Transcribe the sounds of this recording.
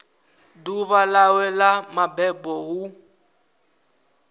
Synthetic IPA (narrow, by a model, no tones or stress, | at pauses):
duβalawɛlamabɛbɔɣu